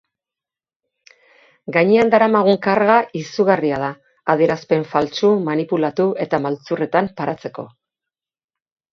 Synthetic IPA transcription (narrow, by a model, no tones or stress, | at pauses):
ɡaɲeand̪aɾamaɣ̞uŋkaɾɣaʔisuɣariað̞aː | ðieɾaspe̞ɱfalt͡sumanipulat̪ue̞t̪amalt͡sure̞t̪ampaɾat͡se̞ko̞̰